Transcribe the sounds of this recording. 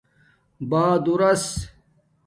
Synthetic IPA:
baːd̪uɾɐs

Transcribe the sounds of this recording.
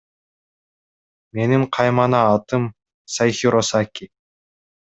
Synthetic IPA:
me̞niɴqʰɑjmɑnɑːt̪ɯm | sajxiɾosakʲi

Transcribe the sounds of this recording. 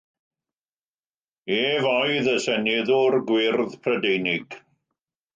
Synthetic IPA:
eːvɔjðəsɛnɪðʊrɡwɪrðpʰrədejnɪɡ̥

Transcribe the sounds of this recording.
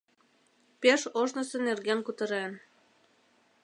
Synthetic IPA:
peʃoʒnɤ̆senerɣenkut̪ɤ̆ɾen

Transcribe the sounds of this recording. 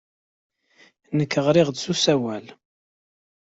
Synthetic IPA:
nəkːəʁɾɪʁd̪susæwæl

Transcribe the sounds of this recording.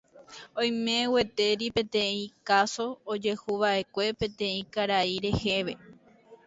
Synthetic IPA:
õj̃mẽwe̞t̪e̞ɾipẽ̞t̪ẽ̞ĩkaso̞ːd͡ʒe̞huʋaʔe̞kʷe̞pẽ̞t̪ẽ̞ĩkaɾaiɾe̞he̞ʋe̞

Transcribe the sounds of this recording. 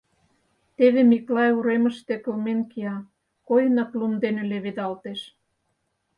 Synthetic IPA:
t̪eβemiklɑjuɾemə̆ʃt̪ekə̆lmenkiɑ | kojənɑklumd̪enĕleβed̪ɑlt̪eʃ

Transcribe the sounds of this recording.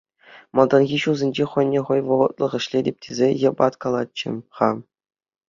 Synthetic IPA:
mɑlˠd̪ɑnɣʲiɕuzʲĕnʲd͡ʑeχɤ̆nʲːeχɤ̆jʋɤ̆ʁɤ̆t̪̚lˠɤ̆ʁɤ̆ɕlʲedʲep̚ʲtʲʰezʲejɤ̆bɑt̪kɑlˠɑt̚t͡ɕːɘ̆χɑ

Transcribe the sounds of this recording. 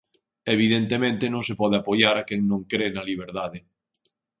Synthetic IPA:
eβ̞iðent̪emẽnt̪ɪnõŋsepɔð̞ɪapojaɾakɛŋnõŋkɾenɐliβ̞eɾðaðɪ

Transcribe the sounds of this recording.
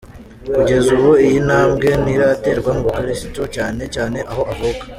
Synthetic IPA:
kuɟe̞zuβoijinaːmɡe̞niɾate̞ːɾɡwamuβikaɾisi̥tocaːne̞caːne̞ʔaho̞ʔaβokḁ

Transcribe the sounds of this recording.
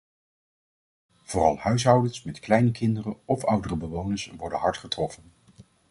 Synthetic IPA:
v̥ʊːrɑlˠhœɥsɦɑwdənsmɛtklɛjnəkɪndərənɔfʌwdərəbəʋownəɹsʋɔɹdənɦɑɹtχətrɔfən

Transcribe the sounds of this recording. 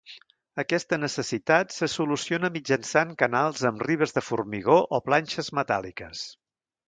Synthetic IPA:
əkɛst̪ənəsəsit̪at̪səsulusionəmid͡ʒənsaŋkənalˠzəmriβəzðəfurmiɣoʔɔplanʲʃəzmət̪a̰lˠikəs

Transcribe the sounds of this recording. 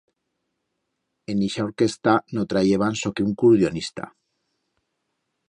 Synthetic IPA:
eniʃaoɾkest̪anot̪ɾajeβansokeuŋkuɾðjonist̪a̰

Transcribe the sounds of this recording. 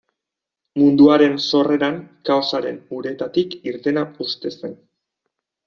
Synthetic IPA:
mund̪uaɾe̞nso̞re̞ɾaŋkawsaɾe̞nuɾeet̪at̪ikiɾt̪e̞naust̪e̞se̞n

